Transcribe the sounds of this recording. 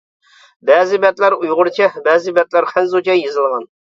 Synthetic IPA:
bɛːzɪbɛt̪læɾujʁʊɾt͡ʃʰɛbɛːzɪbɛt̪læɾχænzut͡ʃʰɛjezɨlˠʁɑn

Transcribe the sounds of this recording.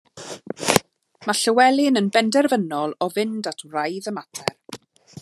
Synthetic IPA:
maɬəwɛlˠɪnənbɛndɛrvənɔlˠɔvɪndatʰwrajðəmatʰɛr

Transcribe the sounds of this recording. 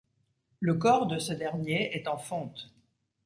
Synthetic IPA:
ləkɔʁd̪əsəd̪ɛʁnjeɛt̪ɑ̃fɔ̃t̪

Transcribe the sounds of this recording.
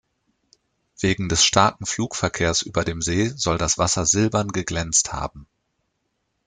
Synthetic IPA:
v̥eːɡŋ̩dɛsʃtʰaɐkŋ̩fluːkfɛɐkʰeːɐsʔyːbɐdeːmzeːzɔldasv̥asɐzɪlbɐnɡəɡlɛnt͡stha̰ːbm̩

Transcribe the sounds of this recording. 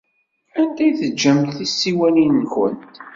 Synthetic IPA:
ænd̪æjθəd͡ʒːəmt̪θisːiwæninːçə̰nt̪

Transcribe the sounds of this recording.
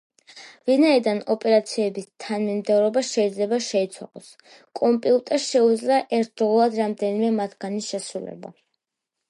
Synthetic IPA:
vinaid̪anɔpʼɛɾat̪sʰiɛbist̪ʰanmimd̪ɛvɾɔbaʃɛid̪zlɛbaʃɛit̪sʰwa̰lɔs | kʼɔmpʼiut̪ʼɛʃɛud̪zlaʔɛɾt̪̚ʰd̪ɾɔlˠad̪ɾamd̪ɛnimɛmat̪ʰɡ̥aniʃɛsɾulɛ̰ba̰

